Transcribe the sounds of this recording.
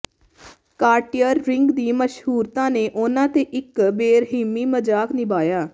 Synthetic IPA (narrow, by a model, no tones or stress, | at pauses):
kaːɾʈijəɾːɪŋɡd̪iːməʃɦuːɾt̪ãːneːʔʊnãːt̪eːʔɪkbeːɾɦɪmːiːməd͡ʒaːknɪbaːjaː